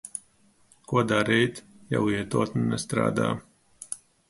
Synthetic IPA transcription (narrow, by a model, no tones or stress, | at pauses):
kuɔd̪aːɾɛjt̪ | ja̰wiɛt̪oːt̪nnɛst̪ɾa̰ːd̪a̰ː